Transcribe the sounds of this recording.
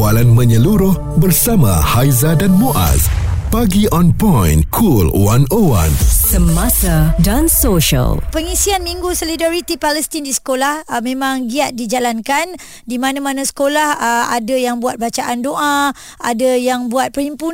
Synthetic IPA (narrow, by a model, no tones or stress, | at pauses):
walanmə̃ɲəluɾʊh | bərsamã̰hajzadanmoʔa̰spaɡiʔɔnpɔ̃jnkʰulwanowa̰nsəmasadansoʃa̰lpəŋisianmiŋɡusolidaɾit̪ipalɛst̪indisə̥kolahmẽmãŋɡiat̪̚did͡ʒalankan | dimãnãmãnãsə̥kolaha̰dajaŋbuat̪̚bat͡ʃaʔandoʔa | ʔadajaŋbuat̪̚pəɾimpu